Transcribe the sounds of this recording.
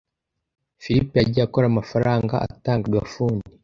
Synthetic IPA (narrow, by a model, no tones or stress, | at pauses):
fiɾipejaɟiako̞ɾamafaɾaːŋɡa̰ʔa̰taːŋɡaɡafuːndi